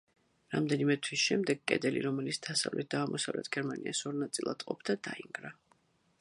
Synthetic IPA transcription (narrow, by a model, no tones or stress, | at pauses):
ɾamd̪ɛnimɛt̪ʰwisʃɛmd̪ɛɡkʼɛ̰d̪ɛlḭɾɔmɛlit̪sʰd̪̥asavlʔɛ̰t̪̚d̪aːmʔɔsavlɛt̪ʰɡ̥ɛɾmaniʔasɔɾnat̪sʼilˠa̰d̪qʼɔpd̪ad̪aiŋɡɾa